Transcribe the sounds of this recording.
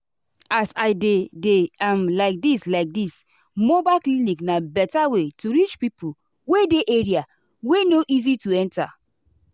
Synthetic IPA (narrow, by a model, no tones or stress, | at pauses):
asaɪdedeãmlaɪk̚dislaɪk̚dis | mobakliniknabɛtawetuɹit͡ʃpipu | wedeʔeɹia | wenoʔizituɛ̃nta